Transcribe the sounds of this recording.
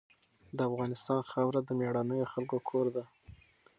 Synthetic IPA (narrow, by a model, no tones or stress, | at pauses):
d̪əafɣɑnɪst̪ɑnxawɾad̪əmeɽɑnəjoxalkokʰoɾd̪a